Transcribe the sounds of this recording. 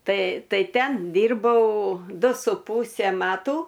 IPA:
ˈtɐɪ ˈtɐɪ ˈtʲɛn ˈdʲiːrbɐʊ ˈdʊ sʊ ˈpuːsʲɛ ˈmɑːtuː

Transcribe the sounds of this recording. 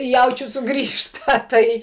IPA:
ˈjɛʊt͡ʃʲʊ sʊˈɡrʲiːʃtɐ ˈtɐɪ

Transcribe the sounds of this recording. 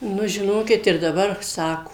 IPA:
ˈnʊ ʒʲɪˈnoːkʲɪt ɪr dɐˈbɐr ˈsɑːkoː

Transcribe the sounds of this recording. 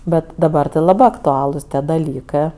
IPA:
ˈbʲɛt dɐˈbɐr tɜ lˠɐˈbɜ ɐktʊˈɑːlˠʊs tʲiɛ dɐˈlʲiːkɜ

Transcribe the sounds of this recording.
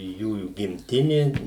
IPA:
ˈjuːjuː ɡʲɪmʲˈtʲɪnʲeː

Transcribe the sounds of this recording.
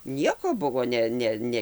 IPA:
ˈnʲiɛkoː ˈbʊʋoː ˈnʲɛ ˈnʲɛ ˈnʲɛ

